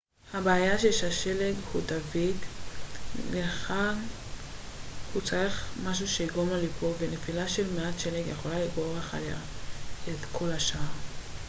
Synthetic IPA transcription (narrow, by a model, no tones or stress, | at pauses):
habeajaʃeʃeaʃeleɡhud̪aviɡ | leχan | hut͡saʁiχmaʃ̬uʃeiɡomalipʰo̞vene̞filaʃelmeatʃeleɡjeχo̞laliɡo̞ʁeχa̰la̰ | etkʰo̞laʃaa